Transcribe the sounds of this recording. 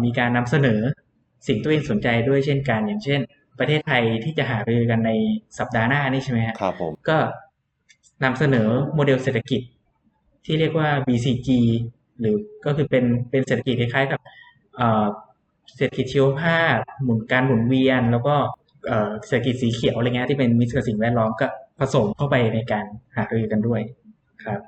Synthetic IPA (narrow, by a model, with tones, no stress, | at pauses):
miː˧kaː˧nːa˧msa˧nɤː˩˦ | si˨˩ŋt̪u˧eː˧ŋso˨˩˦nt͡ɕa˧jdu˥˩əjt͡ɕʰe˥˩nka˧njaː˨˩ŋt͡ɕʰe˥˩n | pɾa˧eː˥˩t̪ʰːa˧jt̪ʰiː˥˩t͡ɕa˨˩ʔɦaː˩˦ɾɯː˧ka˧nːa˧jsa˨˩p̚daː˧naː˥˩niː˥˩t͡ɕa˥˩ma˦˥kʰa˥kʰa̰˧˥˨mkɔː˥˩ | na˧msa˧nɤː˩˦moː˧de˧wseː˨˩t̪ʰːa˧ki˨˩t̪̚ʰː | iː˥˩ɾi˥˩ək̚waː˥˩biː˧siː˧t͡ɕiː˧ | ɾɯː˩˦kɔː˥˩kʰɯː˧pe˧npe˧nse˨˩a˧ki˨˩t̪̚kʰːkʰaː˦˥jka˨˩p̚ | ʔɤː˨˩ | se˨˩a˧ki˨˩t̪̚t͡ɕʰi˧˥wa˧pʰaː˥˩k̚mu˨˩˦nkaː˧nmu˨˩˦nwi˧ənlɛː˦˥wkɔː˥˩ | ʔɤː˨˩se˨˩t̪ʰa˧k̬i˨˩t̪̚siː˩˦kʰi˨˩˦wʔjŋ˧˦˥t̪ʰiː˥˩pe˧nmi˦˥t̪̚kʰa˧˩si˨˩ŋwɛː˥˩t̪̚lɔː˦˥mkɔː˥˩pʰa˧so˩˦mt̪ʰa˥˩wpa˧jna˧jkaː˧nhaː˨˩k̚ɾa˧jɯː˧ka˧ndu˥˩əj | kʰɾa˦˥p̚